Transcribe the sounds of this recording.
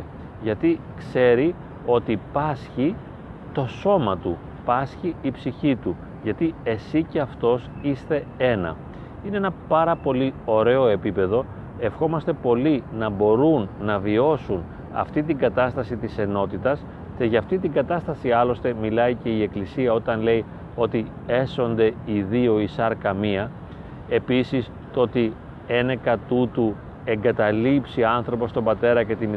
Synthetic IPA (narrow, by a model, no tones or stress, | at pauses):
ʝɐt̪i | kse̞ɾi | o̞t̪ipɐsçi | t̪o̞so̞mɐt̪u | pɐsçiːpsiçit̪u | ʝɐt̪ie̞sice̞ɐft̪o̞sist̪e̞e̞nɐ̰ | ineenɐpɐɾɐpo̞lio̞ɾe̞o̞e̞pipe̞ðo̞ | e̞fxo̞mɐst̪e̞po̞linɐbo̞ɾunːɐvio̞sun | ɐ̰ft̪it̪iŋɡɐt̪ɐst̪ɐsit̪ise̞no̞t̪it̪ɐs | ce̞ʝɐːft̪it̪iŋɡɐt̪ɐst̪ɐsiɐlo̞st̪e̞milɐice̞ie̞klisiɐo̞t̪ɐnle̞i | o̞t̪i | e̞so̞nd̪e̞iðio̞isɐɾkɐmiɐ | e̞pisis | t̪oo̞t̪i | e̞nekɐt̪ut̪u | e̞ŋɡɐt̪ɐlipsiɐnθɾo̞po̞st̪o̞mbɐt̪e̞ɾɐce̞t̪in